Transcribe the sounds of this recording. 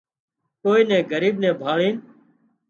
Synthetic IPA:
koːiːnɛ̃ːɡəɾiːbnɛ̃ːbʱaːɭiːn

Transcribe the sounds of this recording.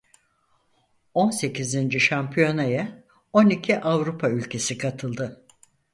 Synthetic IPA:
o̞nse̞cʰizind͡ʒiʃampʰijo̞naja | o̞nicʰiʔavɾupʰaylʲcʰe̞sikʰat̪ʰɯlˠd̪ɯ

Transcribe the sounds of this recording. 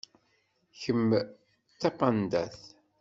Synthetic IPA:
çəm | t̪ːɑqɑnd̪æθ

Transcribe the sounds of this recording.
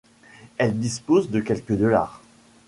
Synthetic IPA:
ɛld̪ispozd̪əkʲɛlkəd̪ɔlaːʁ

